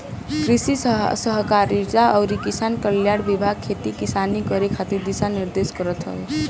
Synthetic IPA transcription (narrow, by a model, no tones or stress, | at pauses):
kɾisisʌɦkaɾid͡zaʌwɾikisankʌljaɽbibʱaɡ̚kʰet̪ikisanikʌɾikʰat̪iɾd̪isaniɾd̪esɡʌɾʌt̪ɦʌ̰e